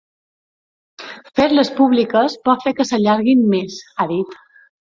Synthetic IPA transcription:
feɾləspuβlikəspɔt̪fekəsəʎaɾɣimmesaðit̪

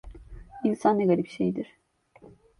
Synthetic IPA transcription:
insanːeɡalʲifʃḛjd̪iɾ̥

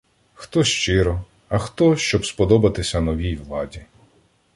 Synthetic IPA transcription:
xt̪ɔʃt͡ʃɪɾɔ | ɐxt̪ɔʃt͡ʃɔbspɔd̪ɔbɐt̪ɪsʲɐnɔʋʲijʋlˠɑdʲi

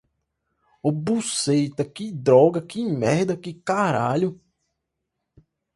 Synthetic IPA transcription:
obusejt̪ɐkɪd̪ɾɔɡɐkɪ̃mɛhd̪ɐkɪkaɾaʎʊ

